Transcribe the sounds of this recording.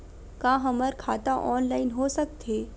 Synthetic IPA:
kãːɦɐməɾkʰaːt̪aʔɔːnlaːɪnɦoːsɐk̚t̪ɦeː

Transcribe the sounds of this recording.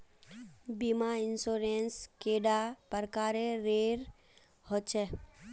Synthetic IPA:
bimaɪnsoːɾenskeːɖapəɾkaːɾeɾeːɾ | hot͡ʃʰɛ

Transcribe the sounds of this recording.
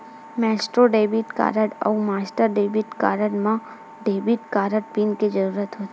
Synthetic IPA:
mɛːsʈɾoɖeːbiʈka̰ːɾəɖə̰umaːsʈəɾɖeːbiʈka̰ːɾəʈmã | ɖeːbiʈkaːɾəʈpinked͡ʒəɾuːɾət̪ɦoːt̪e

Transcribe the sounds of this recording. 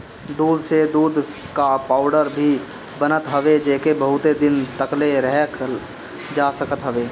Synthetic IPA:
d̪uːd̪ʱsed̪uːd̪ | kapaːʊɖəɾbʱi | bənət̪ɦəʋed͡ʒeːkebəɦʊt̪ed̪ɪnt̪əkleɾɛɦk | d͡ʒaːsəkət̪ɦəʋeː

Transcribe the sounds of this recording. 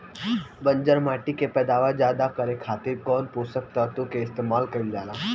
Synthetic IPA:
bɐ̃nd͡ʒəɾmaːʈikepɛːd̪aːʋad͡ʒjaːd̪akɐɾekʰaːt̪ɪɾkɔːnpoːsək̚t̪at̪okeɪst̪eːmaːlkɐɾid͡ʒaːlaː

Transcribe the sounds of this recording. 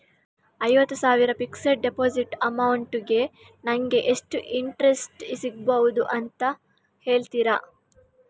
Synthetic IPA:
ɐjʋɐt̪ːusaːʋiɾɐpiksɐɾ̚ɖepoːd͡ʒiʈɐmɐwuɳʈɡe̞ | nɐŋɡe̞ʔeʂʈuʔiɳʈɾe̞sʈisiɡ̚bɐʋud̪uʔɐnt̪ɐ | he̞ːɭt̪iɾɐ

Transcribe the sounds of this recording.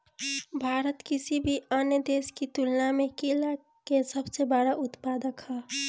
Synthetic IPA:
bʱaːɾət̪kɪsibʱiaːnjəd̪eːskit̪ʊlnamẽkila | kesəbsebaːɽaʔʊt̪paːd̪əkʰaː

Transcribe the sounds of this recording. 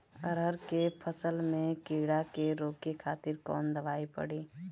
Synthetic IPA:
ə̰ɾɦəɾkepʰəsəlmẽkiːɽakeɾoːkekʰaːt̪ɪɾkɔ̰ːnd̪əʋaːipə̰ɽiː

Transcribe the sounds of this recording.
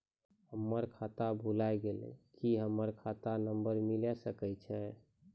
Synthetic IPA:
həmːəɾkʰat̪abʱulajɡelɛ̰̃kiɦəmːəɾkʰat̪anəmbəɾmilɛsəkɛt͡ʃʰɛ

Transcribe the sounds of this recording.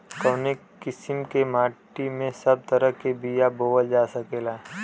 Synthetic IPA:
kɐwne | kɪsɪmkemaːʈimẽsɐb̚t̪əɾəɦkebijaboːʋəld͡ʒaːsəkeːlaː

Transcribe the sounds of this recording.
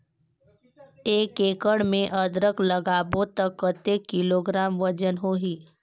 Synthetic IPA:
eːkeːkəɽmẽʔəd̪ɾəkləɡaːbõt̪əkːət̪ekːɪloːɡɾaːmʋəd͡ʒənɦoːɦiː

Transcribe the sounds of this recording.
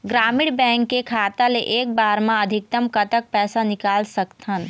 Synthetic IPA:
ɡɾaːmiɽbɛ̃ːŋkːekʰaːt̪aleʔeːk̚baːɾmãəd̪ʱik̚t̪əmkət̪ək̚pɛːsanikaːlsəkt̪ʰən

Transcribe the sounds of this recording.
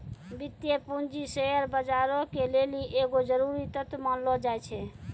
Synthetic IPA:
bit̪jepund͡ʒisejəɾbəd͡ʒaɾokeleliʔeɡod͡ʒəɾuɾit̪ət̪mənlɔd͡ʒajt͡ʃʰɛ

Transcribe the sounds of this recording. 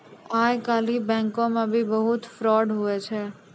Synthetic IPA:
ajkalibɛ̃ŋkomãbʱibəɦut̪fɾɔɖɦuet͡ʃʰe

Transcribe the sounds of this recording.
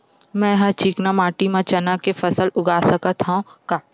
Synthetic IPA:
mɛ̃ːjɦãt͡ʃiːknamaːʈimãt͡ʃɐnakefɐsəlʊɡaːsɐkət̪ɦaõkaː

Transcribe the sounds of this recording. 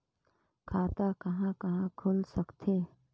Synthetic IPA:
kʰaːt̪akɐɦãkɐɦãkʰʊlsəkt̪ʰe

